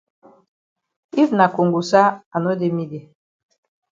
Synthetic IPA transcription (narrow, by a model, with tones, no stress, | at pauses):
i˦vna˨ko˨ŋɡu˨sa˦a˨no˦de˦mi˦de˨